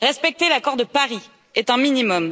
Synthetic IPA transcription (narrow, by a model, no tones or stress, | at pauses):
ʁɛspɛk̚t̪elakɔʁd̪əpaʁi | ɛt̪ɛ̃minimɔm